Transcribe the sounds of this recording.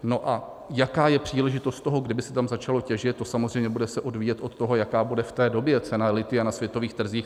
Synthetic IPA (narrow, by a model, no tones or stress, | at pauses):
no̞ʔa | jakaːjɛpr̝̥iːlɛʒɪt̪ost̪t̪o̞ɦo̞ɡdɪbɪsɛ̥t̪amzat͡ʃalo̞cɛʒɪt̪̚t̪ːosamozr̝ejmɲɛbudɛsɛʔo̞dviːjɛt̪ʔo̞t̪t̪ːo̞ɦo̞jakaːbudɛft̪ɛːdo̞bjɛt͡sɛnalɪt̪ɪanasvjɛt̪o̞viːxt̪r̩ziːx